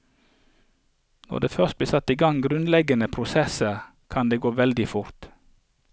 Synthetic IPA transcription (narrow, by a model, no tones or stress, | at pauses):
nɔ̰ʁd̪eːfœʁst̪̚bliːsɑt̪iːɡɑŋɡɾʉnlɛɡənəpʰɾʊsɛsə | kʰɑnd̪eːɡoːʋɛld̪ɪfʊɾt̪